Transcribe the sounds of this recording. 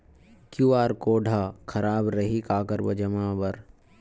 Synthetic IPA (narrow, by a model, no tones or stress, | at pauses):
kjuːaːɾkoːɖʱaːkʰɐɾaːbɾɐɦikaːkəɾbɐd͡ʒɐmãːbɐɾ